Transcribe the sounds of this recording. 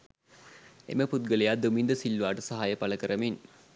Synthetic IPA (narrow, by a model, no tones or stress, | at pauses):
ḛməput̪̚ɡəlejad̪umind̪əsilːʋaːʈəsaɦaːjəpaləkəɾəmin